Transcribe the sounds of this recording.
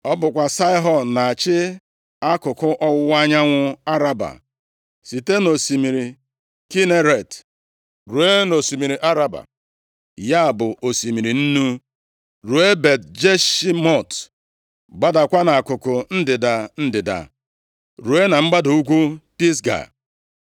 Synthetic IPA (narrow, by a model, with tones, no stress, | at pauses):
ɔ˦bʊ˨kʷa˨sa˦ɪ˦ɦɔ˨n˨na˨a˨t͡ʃɪ˦ | a˦kʊ˨kʊ˦ʔɔ˦wʊ˦wa˦ɲa˦ŋʷʊ˦a˦ɾa˦ba̰˨ | si˨te˦no˨si˨mi˨ɾi˨ | ki˦ne˦ɾe˨t | ɾu˨e˦no˨si˨mi˨ɾi˨ʔa˦ɾa˦ba̰˨ | ja˦a˨bʊ˨ʔo˨si˨mi˨ɾi˨n̩˦nu˦ | ɾu˨e˦be˨dd͡ʒe˦ʃi˦mɔ˦˨t | ɡ͡ba˦da˨kʷa˦na˨a˨kʊ˨kʊ˨n̩˦dɪ˨da˨n̩˦dɪ˨da̰˨ | ɾu˨e˦na˨ŋ͡m̩˦ɡ͡ba˦du˨u˦ɡʷu˦pi˦sɡa̰˨